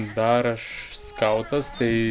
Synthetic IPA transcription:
d̪ɑːɾɐʃskɐʊt̪ɐst̪ɐɪ

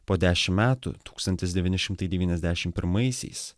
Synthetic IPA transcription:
poːd̪ʲæːʃʲɪmmʲæːt̪ṵt̪uːkst̪ɐnʲt̪ʲɪsd̪ʲɛʋʲɪnʲɪʃʲɪmt̪ɐɪd̪ʲɛʋʲiːnʲɛzʲd̪ʲæːʃʲɪmpʲɪɾmɐɪsʲɛ̰ɪs

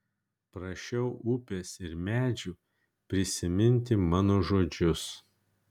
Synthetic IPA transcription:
pɾɐʃʲɛʊʔʊpʲeːsɪɾmʲæːd͡ʒʲu | pʲɾʲɪsʲɪmʲɪnʲt̪ʲɪmɑːnoːʒoːd͡ʒʲʊs

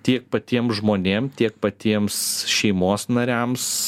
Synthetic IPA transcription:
t̪ʲiɛk̚pɐt̪ʲiɛmʒmoːnʲeːmt̪ʲiɛk̚pɐt̪ʲiɛmsʃʲɛɪmoːsnɐɾʲɛms

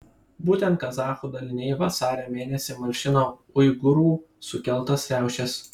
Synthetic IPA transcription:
buːt̪ʲɛnt̪̚kɐzɑːxuːd̪ɐlʲɪnʲɛɪjʋɐsɑːɾʲoːmʲeːnʲɛsʲɪmɐɾʲʃʲɪnoːʊɪɡʊɾuː | sʊkʲɛlˠˑt̪ɐsɾʲæˑʊʃʲɛs

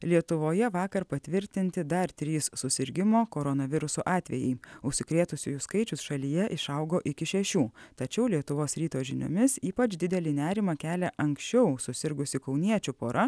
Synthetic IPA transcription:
lʲiɛt̪ʊʋoːjɛʋɑːkɐɾpɐt̪ʲʋʲɪɾʲt̪ʲɪnʲt̪ʲɪd̪ɐɾt̪ʲɾʲiːsːʊsʲɪɾʲɡʲɪmoːkoːɾonɐʋʲɪɾʊsoːʔɑːt̪ʲʋʲɛjɛɪʊʃʲsʲɪkɾʲeːt̪ʊsʲʊjʊskɐɪt͡ʃʲʊsʃɐlʲijɛʔɪʃɐʊɡoːʔɪkʲɪʃʲɛʃʲuːt̪ɐt͡ʃʲɛʊlʲiɛt̪ʊʋoːsɾʲiːt̪oːʒʲɪnʲʊ̰mʲɪsiːpɐt͡ʃʲd̪ʲɪd̪ʲɛlʲiːnʲæːɾʲɪmɑkʲæːlʲɛʔɐŋksʲt͡ʃʲɛʊsʊsʲɪɾɡʊsʲɪkɐʊnʲiɛt͡ʃʲʊpoːɾʔɐ

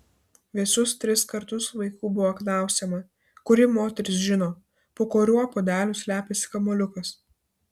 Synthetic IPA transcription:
ʋʲɪɛsʊst̪ʲɾʲɪskɐɾt̪ʊsʋɐɪkuːbʊʋoːknɑˑʊsʲɛmɐ | kʊɾʲɪmoːt̪ʲɛɾʲɪs̬ʒʲɪnoː | poːkoːɾʲuɔpoːd̪ʲæːlʲuːsʲlʲæːpʲesʲɪ̥kɐmoːlʲʊkɐs

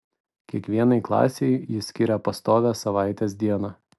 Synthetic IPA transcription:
kʲiɛkʋʲiɛnɐɪklˠɑ̰ːsʲɛɪjɪsʲkʲɪɾʲɛpɐst̪oːʋʲɛːsɐʋɑˑɪt̪ʲesd̪ʲiɛnɑ

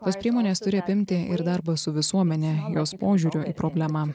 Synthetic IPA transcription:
t̪oːspʲɾʲiɛmoːnʲeːst̪ʊɾʲɪɐpʲɪmʲt̪ʲɪʔɪɾd̪ɑɾbɐsʊʋʲɪsuɔmʲɛnʲɛjoːspoːʒʲuːɾʲʊʔiːpɾoːbʲlʲæmɑː

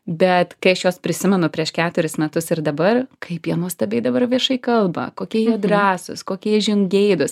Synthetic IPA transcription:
bʲɛt̪kɐɪɐʃjoːspʲɾʲɪsʲɪmʲɛnʊpʲɾʲiɛʃkʲæːt̪ʊɾʲɪsmʲɛt̪ʊsɪrd̪ɐbɐrkʰɐɪpjiɛnuɔst̪ɐbʲɛɪd̪ɐbɐrʋʲiɛʃɐɪkɐlˠbɐ̰koːkʲiɛjid̪ɾɑːsʊ̰skoːkʲiːɛʒʲɪŋɡʲɛɪd̪ʊs

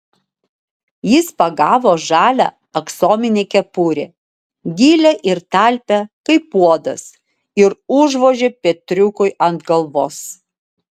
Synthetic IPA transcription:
jɪspɐɡɑːʋoːʒɑːlʲæ̰ | ɐksoːmʲɪnʲekʲɛpuɾʲḛː | ɡʲiːlʲɛʔɪɾt̪ɑlʲpʲɛkɐɪpuɔd̪ɐ̰s | ɪɾʊʒʋoːʒʲeːpʲɛt̪ʲɾʲʊkʊɪɐnt̪ɡɐlˠʋoːs

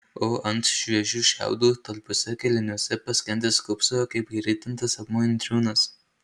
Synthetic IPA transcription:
oːʔɐnt̪ʃʲʋʲiɛʒʲuːʃʲæ̰ˑʊd̪uːt̪ɐlʲpʊsʲɛkʲɛlʲɪnʲuɔsʲɛpɐsʲkʲɛnd̪ʲeːskʊpsoɐkɐɪpiɾʲɪt̪ʲɪnt̪ɐsɐpmoɪnʲt̪ʲɾʲuːnɐs

